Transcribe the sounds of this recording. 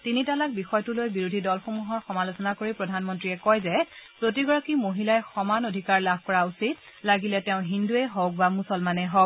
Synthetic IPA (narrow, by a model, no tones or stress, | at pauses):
tinitalak̚bixɔjtulojbiɹudʱidɔlxomuɦɔɹxɔmalosɔnakoɹipɹɔdʱanmɔntɹiɛkɔjzɛpɹot̬iɡɔɹakimoɦilajxɔmanodʱikaɹlab̚ʱkɔɹausit | laɡilɛtɛʊ̃ɦinduɛɦɔk̚bamusɔlmanɛɦɔ